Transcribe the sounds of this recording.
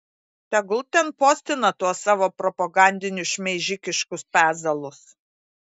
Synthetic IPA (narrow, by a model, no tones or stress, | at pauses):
t̪ʲɛɡlˠt̪ʲɛnpoːsʲt̪ʲɪnɐt̪uɔsɑːʋoːpɾɔpɐɡɑˑnʲd̪ʲɪnʲʊʃʲmʲɛʒʲɪkʲɪʃkʊspʲæːzɐlˠʊs